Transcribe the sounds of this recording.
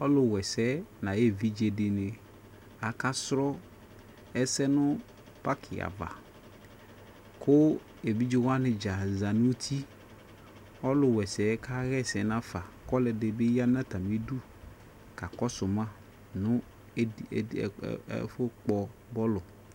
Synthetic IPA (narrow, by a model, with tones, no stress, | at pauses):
ɔ˦lʊ˨wɛ˨sɛ˦nã˨je˦˨vi˦d͡ʒe˨dɪ˨nɪ˨ | a˨ka˦sɾɔ˦ | ɛ˦sɛ˦nʊ˦ | pa˦kʰɪ˨a̰˨va̰˨ | kʰʊ˦ | e˨bi˦d͡ʒɪ˦wa˦nɪ˨d͡ʒa˨za˨nu˦t̪ʰi˦ | ɔ˦lʊ˨wɛ˨sɛ˨˦ka˦ɣɛ˦sɛ˨˦nã˦fa˨kɔ˦lɛ˨dɪ˨be˦ja˦n˦ã˦ta˨mi˦du˦ | ka˨kɔ˦sʊ˨mã˦ | nʊ̃˦˨˦ | fʊ˦k͡pɔ˨bɔ˦lʊ˨